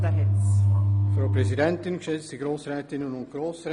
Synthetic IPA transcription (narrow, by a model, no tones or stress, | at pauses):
dəɦɛt͡sfraʊprezidɛntɪnɡəʃɛt͡stəɡɾoːsrɛːtɪnənʊnt̚ɡ̥roːsrɛ